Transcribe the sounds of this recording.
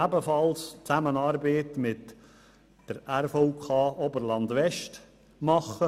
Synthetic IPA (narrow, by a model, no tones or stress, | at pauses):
æbəfɑlst͡sæmənɑːɾbeɪtmɪt | d̥əɾæɾfoʊkʰɑːobəɾlɑndvɛʃt | mɑχə